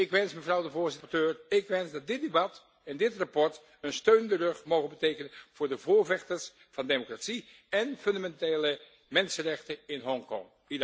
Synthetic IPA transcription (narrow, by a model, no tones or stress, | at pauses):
ɪkʋɛnsməvrɑwdəvʊːɹzɪtətøːrɪkʋɛnsdɑt̚dɪd̚debɑt | ɪndɪtrapɔɹt | ənstøɥnəndərɵχmowχənbətejkənənv̥ʊːɹdəvʊːɹvɛχtəɹs | v̥ɑndemokratsi | ɛnfɵndamɛnteːlə | mɛnsərɛχtəɪnɦɔŋkɔ̰ŋ | id